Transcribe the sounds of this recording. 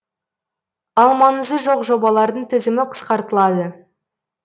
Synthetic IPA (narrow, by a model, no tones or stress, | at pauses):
ɑlˠmɑnəzəʒo̞qʒo̞bɑlˠɑɾd̪əɴt̪ʰɪzɪmɪqʰə̥sqɑɾt̪əlˠɑd̪ə